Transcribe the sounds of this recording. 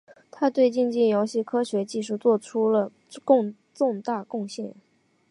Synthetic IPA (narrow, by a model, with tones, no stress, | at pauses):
t̪ʰa˥t̪we˥˧ɪt͡ɕi˥˧nt͡ɕi˥˩jɑ˧˥ʊɕi˥˩kʰɤ˥ɕɥɛ˧˥t͡ɕi˥˧ʂ̬u˥˩t͡swɔ˥˩ʈ͡ʂʰu˥lə˨ | kʊ˥˧ŋ | t͡sʊ˥˧ŋt̪a˥˧kʊ˥˧ŋɕjɛ˥˩n